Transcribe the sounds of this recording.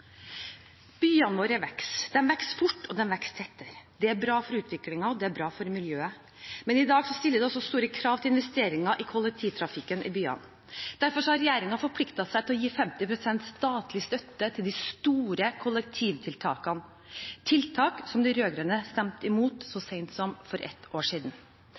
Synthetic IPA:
b̥yːɑnoːɾəʋɛksd̪̥ɛnʋɛksfʊʈːɔd̪ɛnʋɛkst̪ʰɛt̪ːəɾd̪ɛæɾbɾɑːfɔɾʉːt̪ʰʋɪklɪŋɑɔd̪ɛæɾbɾɑːfɔɾmɪljøːə | mɛnɪd̪ɑːɡsɔst̪ɪlːəd̪ɛɔsːɔst̪uːɾəkʰɾɑːʋt̪ɪlɪnʋɛst̪eːɾɪŋɑʔɪkʰʊlːɛk̚t̪ʰiːʋt̪ʰɾɑfɪkːənʔɪ̰byːɑ̰n | d̪̥æɾfɔʂɔhɑɾɛjeːɾɪŋɑfɔɾpʰlɪkt̪ɑsæɪt̪ɪlɔjiːfɛmt̪ɪpʰɾʊsɛnt̪st̪ɑːt̪lɪst̪œt̪ːət̪ʰɪld̪ɪst̪uːɾəkʰʊlːɛk̚t̪ʰiːʋt̪ʰɪlt̪ʰɑːkɑn | t̪ʰɪlt̪ʰɑːksɔmd̪ɪɾøːɡɾɛnəst̪ɛmt̪ɪmuːt̪sɔseɪnt̪sɔmfɔɾʔɛ̰t̪ʔoːʂiːd̪n̩

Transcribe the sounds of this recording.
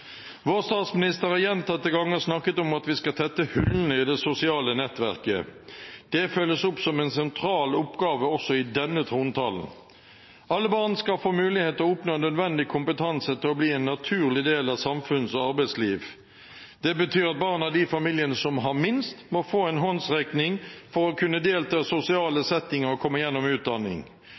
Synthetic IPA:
ʋoːʁst̪ɑːt̪smɪnɪst̪əʁhɑjɛnt̪ɑt̪ːəɡɑŋːəʁsnɑkːət̪ɔmɑt̪ʋɪskɑt̪ʰɛt̪ːəhʉlnəɪd̪ɛsʊsɪɑːlənɛt̪ʋæʁkə̰ | d̪̥ɛføləsʊpsɔmɛnsɛnt̪ʰɾɑːlʊpɡɑːʋəɔsɔɪd̪ɛnːət̪ʰʁuːnt̪ʰɑ̰ln̩ | ɑlːəbɑːʁnskɑfoːmʉːlɪheːt̪ɔʊpnoːnød̪ʋɛnd̪ɪkʰʊmpət̪ʰɑnsət̪ʰɪlɔbliːɛnːɑt̪ʰʉːʁlɪd̪eːlɑsɑmfʉnsɔɑʁbæɪsliːʋ | d̪̥ɛbət̪ʰyːɾɑt̪̚bɑːʁnɑd̪ifɑmiːljənəsɔmɦɑʁmɪnst̪mɔfoːɛnɦɔnsʁɛknɪŋfɔʁɔkʰʉnːəd̪eːlt̪ʰɑːsʊsɪɑːləsɛt̪ːɪŋəʁɔkʰɔmːəjɛnːɔmʉːt̪̚d̪ɑnːɪ̰ŋ

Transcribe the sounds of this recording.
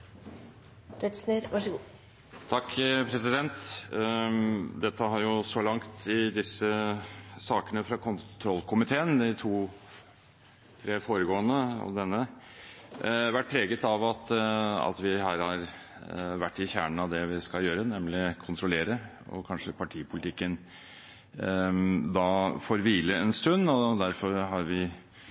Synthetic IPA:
d̪ɛt̪sneɾʋɑʂ | t̪ʰɑkːpʰɾɛsɪd̪ɛnt̪ | d̪ɛt̪ːəɦɑɾjʊsɔlɑŋt̪ɪd̪ɪsə | sɑːkənəfɾɑkʰʊnt̪ʰɾɔlːkʰʊmɪt̪ʰeːənd̪ɪt̪ʰuː | t̪ʰɾeːfoːɾəɡoːənəɔ̰d̪ɛnːə | ʋæʈ̚ːpʰɾeːɡət̪ɑʋɑt̪ɑ̰t̪ʋɪhæːɾhɑɾ | ʋæʈːɪçæːɳəɳ̩ɑʋd̪ɛʋɪskɑljøːɾənɛmlɪkʰʊnt̪ʰɾʊleːɾə | ɔ̰kʰɑnʂəpʰɑʈʰiːəpʰʊlt̪ɪkːən | d̪ɑfoːɾʋiːləɛnst̪ʉnːɔd̪æɾfɔɾɦɑɾʋɪ

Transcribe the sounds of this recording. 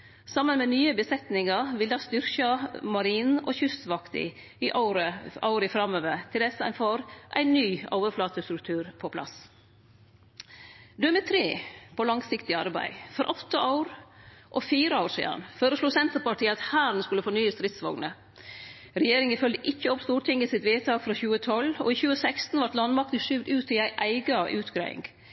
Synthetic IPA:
sɑmːənmɛnyːəbəsɛt̪nɪŋɑɾʋɪld̪ɑːst̪ʏɾkɑmɑɾiːnɔ̰çʉst̪ʋɑkt̪ɪ̰ | ɪʔɾəɑ̰ʊɾəfɾɑmøːʋəɾt̪ʰɪld̪ɛsəæ̰ɪnfoːɾʔæ̰ɪnːyːɑ̰ːʋəflɑːt̪əst̪ɾʉk̚t̪ʰʉːɾpʰɔpʰlɑ̰s | d̪ʉɛmɛt̪ʰɾeːpʰɔlɑŋsɪkt̪ɪɑɾbæ̰ɪfɔɾʔɔt̪ʰːəʔɑʊɾʔɔfiːɾəɑʊɾsḭːd̪ɑ̰nføːɾəsluːsɛnt̪əpɑʈʰiːəɑt̪hæːɾn̩skʉlːəfoːnyːəst̪ɾɪt̪sʋɑ̰ŋnə | ɾɛjeːɾɪŋəfœld̪əʔɪçːəɔpst̪uːʈʰɪŋəsɪt̪ʋeːt̪ʰɑːɡfɾɑçʉːət̪ʰɔlɔ̰içʉːəsæɪkst̪n̩ʋɑɾʈ̪lɑnmɑk̚t̪əʂʏʋd̪ʉːt̪ɪæɪʔæɪɡɑʔʉːt̪ɡɾæ̰ɪɪ̰ŋɡ

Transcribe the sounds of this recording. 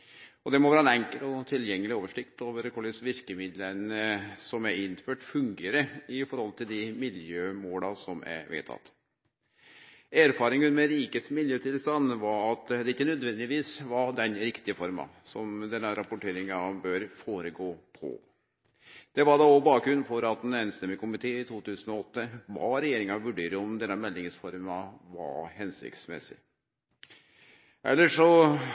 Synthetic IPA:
ɔd̪ɛmɔʋæːɾɑnɛŋkəlt̪ɔt̪ʰɪljɛŋːəlɪoːʋəʂɪkt̪oʋəɾəkʰɔlɪsʋɪɾkəmɪd̪lənəsɔmæɪnːføːʈfʉŋɡeːɾəɪfɔɾhɔlt̪ʰɪld̪ɪmɪljøːmoːlɑsɔmæ̰ʋḛːt̪ʰɑ̰t̪ | æɾfɑːɾɪŋənmɛɾiːkəsmɪljøːt̪ʰɪlst̪ɑnːʋɑɾɑt̪d̪ɛɪçːənœd̪ʋɛnd̪ɪʋiːsʋɑd̪ɛnɾɪkt̪ɪəfɔɾmɑ̰sɔmd̪ɛnːəɾɑpʊʈʰeːɾɪŋɑbøːɾfoːɾəɡoːpʰɔ̰ | d̪̥ɛʋɑd̪ɑɔbɑːk̚ɡɾʉnːfɔɾɑt̪̚nɛːnst̪ɛmːɪkʰʊmɪt̪ʰeːɪt̪ʰuːt̪ʉːsənɔɔt̪ːəʋɑ̰ɾɛjeːɾɪŋɑʋʉɖeːɾəɔmd̪ɛnːəmɛlːɪŋsfɔɾmɑʋɑ̰ɾhɛnsɪ̰kt̪smɛ̰sɪ̰ | ʔɛlːəʂɔ

